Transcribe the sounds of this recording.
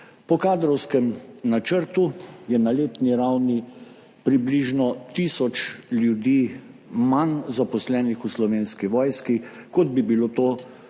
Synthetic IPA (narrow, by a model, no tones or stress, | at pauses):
pɔkaːd̪ɾɔwskɛmnat͡ʃəɾt̪ujɛnaleːt̪niɾawni | pɾibliʒnɔt̪isɔt͡ʃljud̪iːmanzapɔslɛːnixuslɔʋeːnskiʋɔːjskikɔd̪̚bibilot̪oː